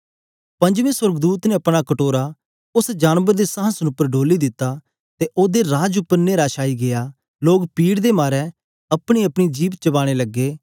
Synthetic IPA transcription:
pɐ̃ɲd͡ʒʋẽːsəɾɡd̪uːt̪nẽɐpɽ̃akəʈoːɾa | ʊsd͡ʒaːnʋəɾd̪esəɦə̃snʊpːəɾɖoːlid̪ɪt̪ːa | t̪eʔoːd̪eɾaːd͡ʒʊpːəɾneːɾaːʃaːiɡɪjaː | loːɡpiːɽd̪emaːɾɛ | ɐpɽ̃iɐpɽ̃id͡ʒiːʋt͡ʃɐbaːɽ̃eləɡːeː

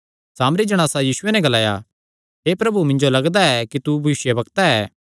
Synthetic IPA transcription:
saːmɾid͡ʒɐɽ̃aːsajiːsʊenɛ̃ɡɐlaːja̰ | ɦeːpɾɐbumɪ̃ɲd͡ʒolɐɡd̪aɛkit̪ubʱɐʋɪʃjɐbɐkt̪aɛː

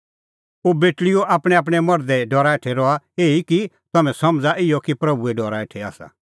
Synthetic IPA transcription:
oːbeːʈlɪjoʔaːpɽ̃ɛ̃aːp̬ɽ̃ɛmɔɾd̪ɛɖɔːɾaeʈʰɛɾɔaeːiki | t̪ɐmɛ̃sɐmd͡zaʔɪjɔkipɾɐbuɛɖɔːɾaeʈʰɛa̰ːsa̰

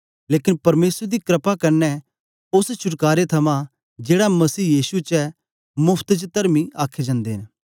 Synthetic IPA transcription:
leːkɪnpɐɾmeːsɾd̪ikɾəpakɐɾnɛ | ʊst͡ʃʰʊʈkaːɾet̪ʰɐmã | d͡ʒeːɽamɐsiːjiːsut͡ʃɛ | mʊpʰt̪d͡ʒt̪ɐɾmiaːkʰːed͡ʒãːnd̪eɦɪ̃n

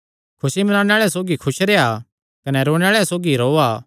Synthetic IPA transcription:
kʰʊsimɐnaːɽ̃eaːɭɛsoːɡikʰʊʃɾea | kɐnɛɾoːɽ̃aːɭɛsoːɡiɾoːaː

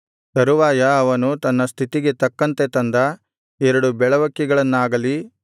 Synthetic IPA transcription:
t̪ɐɾuʋaːjɐːʋɐnut̪ɐnːɐst̪ʰit̪iɡe̞t̪ɐkːɐnt̪et̪ɐnd̪ɐ | ɛɾɐɽubɛɭɐʋɐkːiɡɐɭɐnːaːɡɐli

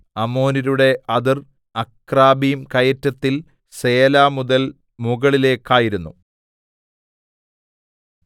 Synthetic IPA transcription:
ɐmo̞ːniɾuɽe̞ʔɐðir | ɐkraːbijumkɐjɐtːɐt̪ːil | se̞ːlaːmuðɐl | muɣɐɭile̞ːkːaːjiɾunːu

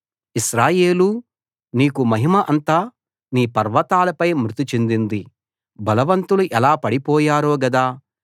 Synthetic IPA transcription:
iʃɾaːjeːlu | niːkumɐɦimɐʔɐnt̪aː | niːpɐɾʋɐt̪aːlɐpɐjmɾut̪it͡ʃe̞nd̪ind̪i | bɐlɐʋɐnt̪uluʔɛlaːpɐɽipɔːjaːɾoːɡɐd̪aː

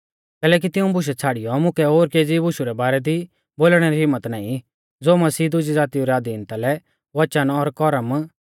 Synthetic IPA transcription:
kɛːlɛːk̬it̪ɪũbʊʃ̬ɛt͡sʰaːɽijɔmʊ̃kɛoːɾkeːd͡zibʊʃuɾɛbaːɾɛd̪i | boːlɽ̃ɛɾiɦɪmːət̪na̰ːĩ | d͡zoːmɐsiːd̪ʊd͡ʒid͡zaːt̪iuɾɛad̪iːnt̪alɛ | ʋɐt͡ʃənɔɾkɔɾəm

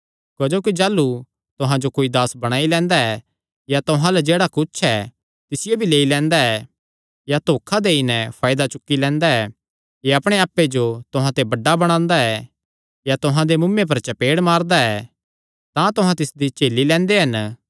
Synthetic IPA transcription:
kɐd͡ʒoːkid͡ʒaːlːu | t̪ʊɦãd͡ʒokoːid̪aːsbɐɽ̃aːilɛ̃ːnd̪aɛ | jat̪ʊɦãlɛd͡ʒeːɽakʊt͡ʃʰɛ | t̪ɪsɪjobʱileːilɛ̃ːnd̪aɛ | jat̪oːkʰad̪eɪnɛpʰaːɪd̪at͡ʃʊkːilɛ̃ːnd̪aɛ | jeɐpɽ̃eaːpːed͡ʒot̪ʊɦãt̪ebɐɖːabɐɽ̃ãːnd̪aɛ | jat̪ʊɦãd̪emʊmːep̬ɐɾt͡ʃɐpeːɽmaːɾd̪aɛ | t̪ãt̪ʊɦãt̪ɪsd̪it͡ʃeːlːilɛ̃ːnd̪eɦɐn

